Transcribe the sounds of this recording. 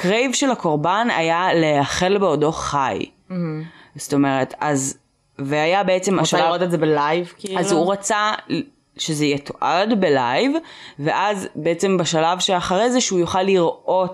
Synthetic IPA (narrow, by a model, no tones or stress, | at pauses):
kʁejvʃelako̞ʁbana̰jaleaχe̞lbeodo̞χaj | zto̞me̞ʁetʰaz | veajabeet͡se̞maʃalaʁot̪ezebelajvkialzuʁat͡sa | ʃezeijɛtʰoʔadbelajvve̞ʔazbeet͡se̞mbaʃalavʃeaχaʁejzeʃeujoχalːiʁʔo̞t